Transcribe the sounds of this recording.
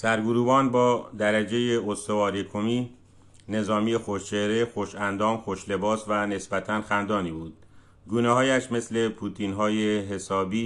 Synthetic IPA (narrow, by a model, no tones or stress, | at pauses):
sæɾɡuɾuːbɒːnbɒːd̪æɾæd͡ʒe̞jeost̪ovɒːɾekʰomiː | ne̞zɒːmijexoʃt͡ʃʰeɾexoʃænd̪ɒːmxoʃle̞bɒːsvæne̞sbæt̪ʰænxænd̪ɒːniːbuːd̪̥ | ɡuːnehɒːjæʃme̞sle̞pʰuːt̪ʰinɦɒːjeɦe̞sɒːbiː